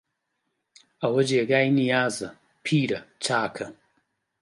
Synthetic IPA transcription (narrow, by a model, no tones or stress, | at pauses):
ɐwɐd͡ʒeːɡaːjnijaːzɐ | pʰiːɾɐt͡ʃaːkʰɐ